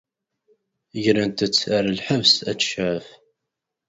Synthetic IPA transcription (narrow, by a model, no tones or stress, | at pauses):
ʝɾænt̪ət͡sːaɾalħəvsæt͡sːʃʕəf